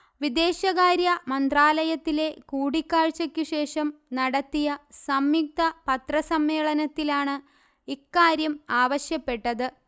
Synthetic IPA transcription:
ʋid̪e̞ːɕɐɣaːɾjɐmɐnd̪raːlɐjɐt̪ːile̞kuːɽikːaːɻt͡ɕːɐkʲːuɕe̞ːʂɐmnɐɽɐt̪ːijɐsɐmjik̚t̪ɐpɐt̪rɐsɐmːeːɭɐnɐt̪ːilaːɳɨ | ikːaːɾjɐmaːʋɐɕjɐpːe̞ʈːɐðɨ

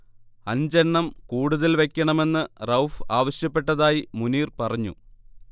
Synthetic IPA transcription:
ɐɲd͡ʑeɳːɐmkuːɽuðɐlʋe̞kʲːɐɳɐme̞nːɨrɐwfaːʋɐɕjɐpːe̞ʈːɐðaːjimuniːrpɐrɐɲːṵ

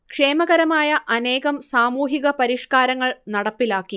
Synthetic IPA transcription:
kʂe̞ːmɐɣɐɾɐmaːjɐʔɐne̞ːɣɐmsaːmuːɦiɣɐpɐɾiʂkaːɾɐŋːɐɭnɐɽɐpːilaːkːi

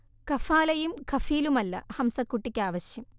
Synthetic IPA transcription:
kɐfaːlɐjumkɐfiːlumɐlːɐ̰hɐmsɐkːuʈːikʲːaːʋɐɕjɐm

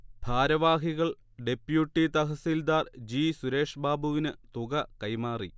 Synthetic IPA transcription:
bʱaːɾɐʋaːɦiɣɐɭ | ɖe̞pjuʈːit̪ɐɦɐsiːld̪aːrd͡ʑiːsuɾe̞ːʂɐbaːbuʋinɨt̪uɣɐkɐjmaːri

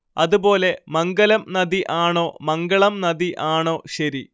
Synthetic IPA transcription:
ɐðubo̞ːle̞mɐŋɡɐlɐmnɐðiʔaːɳoːmɐŋɡɐɭɐmnɐðiʔaːɳo̞ːɕɐɾi

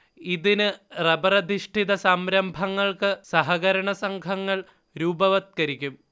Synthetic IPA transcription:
iðinɨrɐbɐrɐd̪ʱiʂʈʰiðɐsɐmɾɐmbʱɐŋːɐɭkɨsɐɦɐɣɐɾɐɳɐsɐŋkʰɐŋːɐɭ | ɾuːbɐʋɐt̪̚kɐɾikʲːum

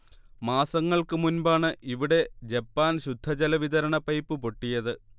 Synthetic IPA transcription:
maːsɐŋːɐɭkɨmunbaːɳɨʔiʋiɽe̞d͡ʑɐpːaːnɕud̪ʱːɐd͡ʑɐlɐʋiðɐɾɐɳɐpɐjpːɨpo̞ʈːijɐðɨ

